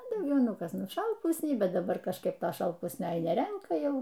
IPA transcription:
ɐ dɐʊˈɡʲɛʊ ˈnʊ ˈkɐs ʃɐlˠˈpʊsʲnʲɛɪ ˈbʲɛt dɐˈbɐr kɐʃˈkɐɪp ˈtoː ʃɐlˠˈpʊsʲnʲoː nʲɛˈrʲɛŋkɐ ˈjɛʊ

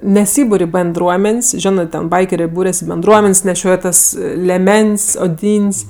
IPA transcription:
nʲɛˈsʲiːbʊrʲ ɪ bʲɛnˈdruɔmʲɛnʲsʲ ˈʒʲoːnɜ ˈtʲɛn ˈbɐɪkʲɛrʲeː ˈbuːrʲɛs ɪ bʲɛnˈdruɔmʲɛnʲsʲ nʲɛˈʃʲoːj tɐs lʲɛˈmʲɛnʲsʲ oːˈdʲiːnʲsʲ

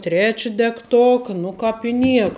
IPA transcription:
ˈtʲrʲæːt͡ʃʲɪ dʲɛkˈtoːkɐ ˈnʊ kɑːp ɪ ˈnʲiɛkɐ

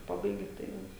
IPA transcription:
ˈpɑːbɐɪɡʲɪ tɐɪ ˈjɛʊ

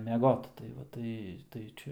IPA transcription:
mʲɛˈɡoːt tɐɪ ˈʋɐ ˈtɐɪ tɐɪ ˈt͡ʃʲɛ

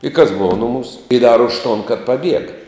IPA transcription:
ɪ kɐs ˈboːʋɐ nʊˈmuːs ɪ dɐr ʊʃ toːn kɐt pɐˈbʲiɛɡɐ

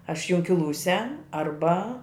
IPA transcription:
ɐʃ jʊŋʲkʲɪˈlˠuːsʲɛ ɐrˈbɐ

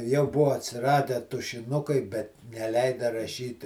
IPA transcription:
jɛʊ ˈbʊʋoː ɐtʲsʲɪˈrɑːdʲæː tʊʃʲɪˈnʊkɐɪ bʲɛt nʲɛˈlʲɛɪdɐ rɐˈʃʲiːt

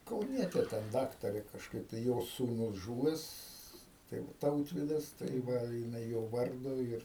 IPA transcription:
kɐʊˈnʲiɛtʲeː tʲɛn ˈdɑːktɐrʲeː kɐʃˈkɐɪp tɐɪ ˈjoːs suːˈnʊs ˈʒuːʋʲɛs ˈtɐɪ ˈtɐʊtʲʋʲɪdɐs tɐɪ ˈʋɐ jɪˈnɐɪ ˈjoː ˈʋɐrdʊ ɪr

